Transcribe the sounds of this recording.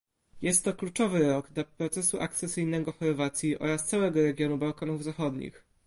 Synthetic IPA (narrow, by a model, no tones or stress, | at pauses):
jɛst̪ːɔklut͡ʂɔvɘɾɔɡd̪lapɾɔt̪sɛsuʔak̚t̪sɛsɘjnɛɡɔxɔɾvat̪sʲjiʔɔ̰ɾast̪sawɛɡɔɾɛɡʲjɔnubawkanuvzaxɔd̪ɲḭx